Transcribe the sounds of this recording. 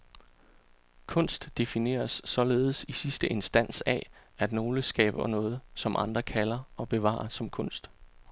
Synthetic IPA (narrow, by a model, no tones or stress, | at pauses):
kʰɔ̽n̰sd̥ːe̝fine̝̰ːɐsːɒ̽le̝ːð̞̩ˠsisisd̥əʔe̝nsd̥æn̰sææd̥no̝ːləsɡ̥ɛ̰ːb̥ɐnɔ̽ːð̞̩ˠsɒ̽mʔɑ̈nd̥ʁɐkʰælɐɒ̽b̥e̝ʋɑ̰̈ːsɒ̽mkʰɔ̽n̰sd̥